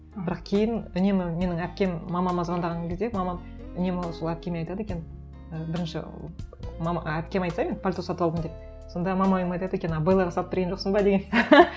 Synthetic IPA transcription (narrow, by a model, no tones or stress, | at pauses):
bɪɾɑqkʲʰe̞jɪnʏne̞mɪme̞nɪŋæp̚kʲe̞mːɑmɑmɑzʁɑnd̪ɑʁɑŋkʲʰezd̪emɑmɑm | ʏne̞mɪwsolˠæp̚kʲe̞meɑjt̪ɑd̪əe̞kʲen | əbɪɾɪnʃɪ̰ | mɑmɑæp̚kʲemɑjt̪sɑjmʲenpʰalʲt̪osɑt̪əwld̪əmd̪ep̚ | so̞nd̪ɑmɑmɑojmɑjt̪ɑd̪ekʲennɑbɑjlˠɑʁɑsɑlˠəpt̪ʰɾɡʲenʒo̞qsənbɑd̪e̞ɡʲen